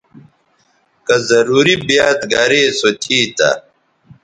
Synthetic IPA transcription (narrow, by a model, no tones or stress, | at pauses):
kɐzɐɾuːɾibjaːt̪ɡɐɾeːsot̪ʰiːt̪ɐ̰